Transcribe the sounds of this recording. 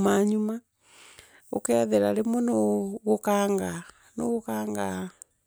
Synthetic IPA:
maɲuma | o̰kɛðɛɾaɾemwɔnoɣokaŋɡa | no̰ɣokaːŋɡa

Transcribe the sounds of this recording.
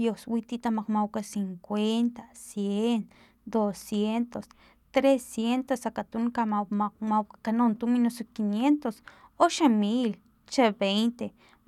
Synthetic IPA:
joswit̪it̪amakmawkasiŋkʷent̪asjen | d̪osjent̪os | t̪ɾesjent̪osakat̪unkaamamawkakanont̪uminosokinjent̪osot͡ʃemil | t͡ʃebejnt̪e

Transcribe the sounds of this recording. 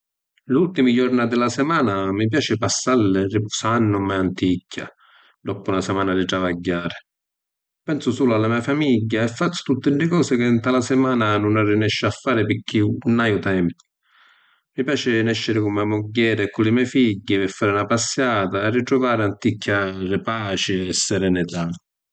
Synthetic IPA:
lult̪imid͡ʒɔɾnad̪ɪlasɛmaːnamip̬jaːt͡ʃɪpasːalːɪripɔːsaanːʊmaant̪icʰːa̰ | d̪ɔpʊunasɛmaːnad̪it̪ɾavaɟːaːɾɪ | pɛnsʊsuːlalːamiːafamiɟːaɛfːat̪sːʊ̥t̪ut̪ːɪnːɪkɔːsɪkɪnt̪alasɛmaːnanʊnarːinɛʃːafːaːɾɪpɪkʰːiunajʊt̪ɛmpʊ̥ | mipjaːt͡ʃɪnɛʃːɪɾɪkumːamʊɟːɛːɾɪɛkːulɪmɛfiɟːivɪfːaːɾunapasːjaːt̪aːrːit̪ɾʊvaːɾɪant̪ikʰːarɪpaːt͡ʃɪɛsːɛɾɛnɪt̪a

